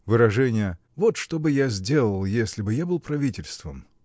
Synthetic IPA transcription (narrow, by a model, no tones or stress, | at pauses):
vɨɾɐʐɛnʲɪjə | vo̞t̪ʂt̪o̞bɨjazʲdʲe̞lˠəlˠjesʲlʲɪbɨjabɨlˠpɾɐvʲitʲɪlʲst̪vəm